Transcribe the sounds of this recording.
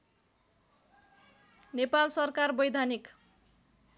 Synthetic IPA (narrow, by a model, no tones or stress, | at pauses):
nepalsʌrkarbʌjd̪ʱanik